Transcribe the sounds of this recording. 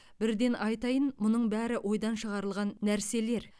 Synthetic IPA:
b̥ɪɾd̪e̞nɑjt̪ɑjənmʊnəɴbæɾɪwʔo̞jd̪ɑnʃəʁɑɾəlˠʁɑnːæɾse̞le̞ɾ

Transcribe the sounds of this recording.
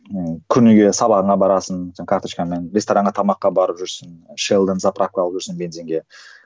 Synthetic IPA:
əkʲʰʏɾnʏɡʲe̞sɑβɑʁənɑbɑɾɑsənkʰaɾt̪oʃkanmenɾʲest̪oɾɑŋɴɡət̪ʰɑmɑqːɑbɑɾəpʒʏɾsənʃelˠd̪ənzaprakuɑlˠəpʒʏɾsənbe̞nzeŋɡʲe̞

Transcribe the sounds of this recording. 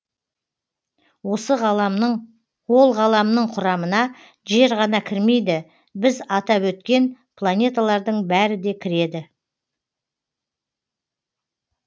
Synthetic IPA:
wo̞səʁɑ | wo̞lˠʁɑlˠɑmnəɴqʰʊɾɑmənɑ | ʒe̞ɾʁɑnɑkʲʰɪɾme̞jd̪ɪ | bɪzɑt̪ɑpwɵt̪kʲe̞n | pʰlˠanʲe̞t̪alˠɑɾd̪əɴbæɾɪd̪e̞kʲʰɪɾe̞d̪ɪ

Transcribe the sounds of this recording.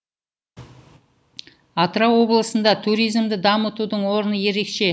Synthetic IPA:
ɑt̪ɾɑwo̞blˠəsənd̪ɑt̪ʰuɾijzmd̪ɪd̪ɑmət̪ud̪əɴwo̞ɾənəje̞ɾe̞kʃe̞

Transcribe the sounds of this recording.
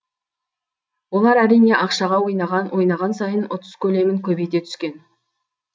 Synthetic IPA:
wo̞lˠɑɾæɾijne̞ʔɑqʃɑʁɑwo̞jnɑʁɑnwo̞jnɑʁɑnsɑjənʊt̪əzkʲʰɵle̞mɪŋkʲʰɵbe̞jt̪e̞t̪ʰʏ̥skʲe̞n

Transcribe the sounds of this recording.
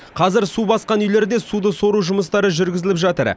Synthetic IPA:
qʰɑzɪɾsubɑsqɑnʏjle̞ɾd̪e̞sud̪əso̞ɾuʒʊməst̪ɑɾəʒʏɾɡʲɪzɪlɪpʒɑt̪ə̰ɾ

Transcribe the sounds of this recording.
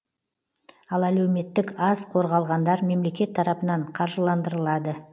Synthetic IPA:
ɑlˠælæwme̞t̪ːɪkɑzqʰo̞ɾʁɑlˠʁɑnd̪ɑɾme̞mle̞kʲe̞t̪ʰːɑɾɑpənɑɴqʰɑɾʒəlˠɑnd̪əɾəlˠɑd̪ə

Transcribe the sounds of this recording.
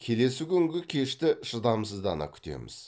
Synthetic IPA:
kʲʰe̞le̞sɪkʲʰʏŋɡʲɪkʲʰe̞ʃt̪ɪʃəd̪ɑmsəzd̪ɑ̰nɑ̰kʲʰʏ̥t̪e̞̰mɪ̰z̥

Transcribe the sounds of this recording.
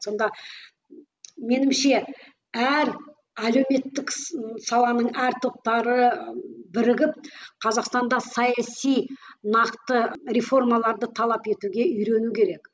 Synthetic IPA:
so̞nd̪ɑ | me̞nɪmʃe̞ | æɾ | ælewme̞t̪ːɪksɑlˠɑnəɴæɾt̪ʰo̞p̚t̪ɑɾəbɪɾɪɡʲɪp̚qʰɑzɑqst̪ɑnd̪ɑsɑjɑsijnɑqt̪əɾʲefo̞rmɑlˠɑɾd̪ət̪ʰɑlˠɑpe̞t̪uɡʲe̞ʏjɾe̞nukʲʰe̞ɾe̞k

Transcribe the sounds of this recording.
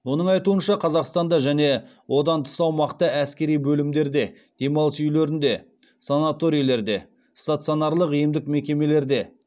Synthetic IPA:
wo̞nəɴɑjt̪uənʃɑqʰɑzɑqst̪ɑnd̪ɑʒæne̞ | wʔo̞d̪ɑnt̪ʰə̥sɑwmɑqt̪əæskʲe̞ɾijbɵlɪmd̪e̞ɾd̪e̞ | d̪̥e̞mɑlˠəsʏjle̞ɾɪnd̪e̞ | sanat̪o̞ɾijle̞ɾd̪e̞ | st̪at̪sionɑɾlˠəqijɪmd̪ɪkme̞kʲe̞me̞le̞ɾd̪e̞

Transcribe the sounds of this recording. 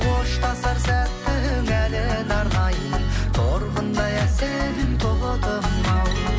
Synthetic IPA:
oʃt̪ɑsɑɾsæt̪ːɪɵŋælenɑɾnɑjət̪ʰoɾʁənd̪ɑjæsenɪŋt̪ʰolˠət̪ʰəmɑl

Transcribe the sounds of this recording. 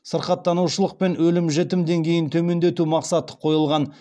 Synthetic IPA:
səɾqɑt̪ːɑnuʃəlˠəq̚pe̞nwɵlɪmʒet̪ɪmd̪e̞ŋkʲʰe̞jɪnt̪ʰɵme̞nd̪e̞t̪umɑqsɑt̪ə̥qʰo̞jəlˠʁɑn

